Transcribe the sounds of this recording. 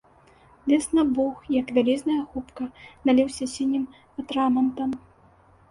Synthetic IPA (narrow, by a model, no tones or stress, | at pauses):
lʲɛsnɐbuxjɐkvʲalʲɛznɐjɐxupkɐnalʲɛwsʲɐsʲinʲːim | ɐt̪ɾamɐnt̪ɐm